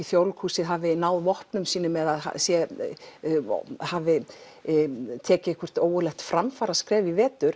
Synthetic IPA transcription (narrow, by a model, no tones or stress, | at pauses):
iθjowlkʰuːsɪðɦaːvɪinaːwðvɔhpnʏmsiːnʏmɛðaðha̰sjɛ | haːvɪ | t̪ʰɛːcɪhkʰvʏɾ̥t̪oːwɣʏlɛxt̪fɾamfaɾaskɾɛːvivɛːt̪ʏɾ̥